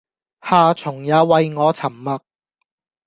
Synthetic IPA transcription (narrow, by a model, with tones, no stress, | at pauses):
haː˨˧t͡sʰʊ˨˩ŋjaː˨˧wɐ˧jŋɔː˨˧t͡sʰɐ˨˩mːɐ˨˧k̚